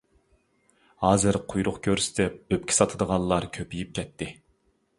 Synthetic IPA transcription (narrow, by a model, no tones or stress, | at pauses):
hɑːzɨɾqʰʊjɾʊqkʲʰøɾsd̪ɛp̚øp̚kʲʰi̥sɑt̪ʰəd̪əʁɑnˠlˠɑɾkʲʰøpijip̚kʲʰɛt̪ʰːɪ